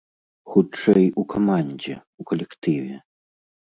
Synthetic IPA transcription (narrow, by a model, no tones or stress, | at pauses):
xut͡ʂɛjukʰamanʲd͡zʲɛ̰ukɐlʲɛkt̪ɨvʲɛ